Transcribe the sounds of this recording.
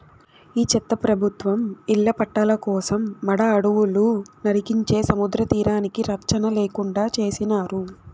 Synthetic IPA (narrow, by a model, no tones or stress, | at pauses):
iːt͡ʃɛt̪ːɐpɾɐbʱut̪ʋɐmiɭːɐpɐʈːɐlɐkɔːsɐmːɐɽɐːɽuʋulunɐɾikiɲt͡ʃe̞ːsɐmud̪ɾɐt̪iːɾaːnikiɾɐkt͡ʃɐnɐleːkuɳɖaːt͡ʃe̞ːsinaːɾu